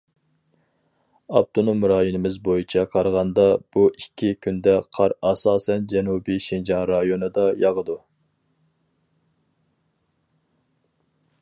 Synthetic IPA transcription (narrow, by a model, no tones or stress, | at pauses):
ɑp̚t̪ʰonomɾɑːjunɪmɪzbojit͡ʃʰɑqʰɑɾʁɑnd̪ɑb̥uikʲʰːikʲʰynd̪ɛqʰɑɾɑsɑːsɛnd͡ʒɛnubiʃind͡ʒɑnɾɑjonɨd̪ɑjɑʁəd̪u